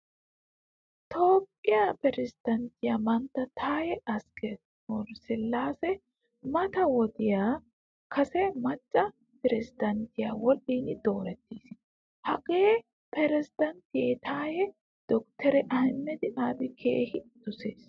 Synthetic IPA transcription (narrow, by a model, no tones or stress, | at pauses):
t̪ʰo̞ːkʼːɪjapɛɾɪsɪd̪̥ɐnt̪ɪjaːmɐnt̪ːɐt̪ʰaːjɛʔɐskɛ | mɔɾsɛlːaːsɛ | mɐt̪ɐwɔd̪ɪjaː | kʰɐsɛmɐt͡ʃʼːɐ | pɛɾɪsɪd̪ɐnt̪ɪjaːwɔlːiːnɪd̪o̞ːɾɛt̪ːiːs | hɐkʼeː | pɛɾɛsɪd̪ɐnt̪ɪjet̪ʰaːjɛ | d̪̥ɔkt̪ʰɛɾɛʔɐhɪnːɛd̪ɪʔaːd̪ɪkʰḛːhɪd̪̥ʊseːs